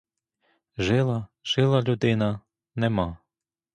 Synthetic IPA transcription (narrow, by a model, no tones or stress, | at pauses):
ʒɪlˠɐʒ̥ɪlˠɐlʲud̪ɪnɐ | nɛmɑ